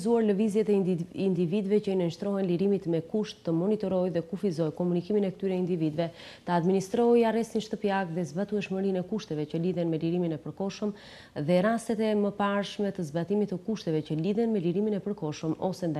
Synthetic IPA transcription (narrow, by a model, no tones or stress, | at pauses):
zuaɾləvizjɛt̪ɛind̪ivid̪vɛcəinənʃt̪ɾɔɦɛnliɾimit̪mɛkuʃt̪ːəmɔnit̪ɔɾɔjðɛkufizɔjkɔmunikiminɛkət̪yɾɛind̪ivid̪vɛ | t̪əad̪minist̪ɾɔjarɛst̪inʃt̪əpijaɡðɛzbat̪uɛʃməɾinɛkuʃt̪ɛvɛcəliðɛnmɛliɾiminɛpəɾkɔʃəm | ðɛɾast̪ɛt̪ɛməpaɾʃmɛt̪əzbat̪imit̪ːəkuʃt̪ɛvɛcəliðɛnmɛliɾiminɛpəɾkɔʃəmɔ̰sɛnd̪a